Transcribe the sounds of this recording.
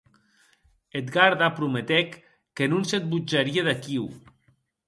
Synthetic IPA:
et̪ɡaɾðapɾumet̪ɛkː | enunset̪̚bud͡ʒaɾieðakiw

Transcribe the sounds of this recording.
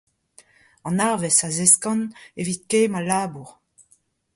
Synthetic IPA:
ɑ̃naʁvɛsazeskɑ̃nevit̪̚keːmalaːbuʁ

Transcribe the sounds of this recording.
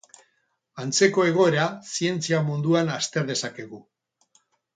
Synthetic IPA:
ant͡se̞ko̞e̞ɣ̞o̞e̞ɾasie̞nt͡siamund̪uanast̪e̞ɾð̞e̞sake̞ɣ̞u

